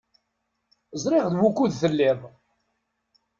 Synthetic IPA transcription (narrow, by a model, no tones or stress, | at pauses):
zˤɾɪʁðwukːuðθəlːɪðˤ